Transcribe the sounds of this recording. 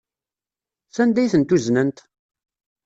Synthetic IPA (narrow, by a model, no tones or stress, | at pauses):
θænd̪æjθənt̪uznənt̪